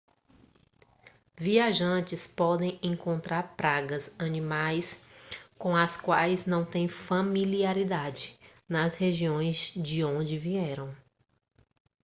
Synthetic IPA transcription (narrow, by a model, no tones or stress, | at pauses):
viaʒɐ̃t͡ʃɪspɔd̪ẽj̃ẽŋkõnt̪ɾaɾpɾaɡɐzɐnĩmajskõɐskwajznɐ̃w̃t̪ẽj̃familiaɾid̪ad͡ʒɪnɐsheʒiõj̃zd͡ʒɪõd͡ʒɪviɛɾɐ̃w̃